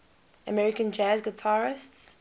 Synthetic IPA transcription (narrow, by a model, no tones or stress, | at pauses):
əmɛɹɪkə̃nd͡ʒazɡɪtʰaɹɪsts